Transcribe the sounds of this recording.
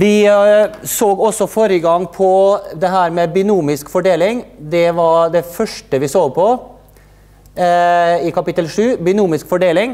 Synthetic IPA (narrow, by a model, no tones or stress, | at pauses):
ʋɪ | soːɡɔsːɔfoːɾəɡɑŋːpʰɔd̪ɛɦæːɾmɛbʏnuːmɪskfɔɖeːlɪŋd̪ɛʋɑɖɛfœʂʈəʋɪsoːɡ̚pʰɔ | ɪkɑpɪt̪əlʂʉːbʏnuːmɪskfɔɖeːlɪŋ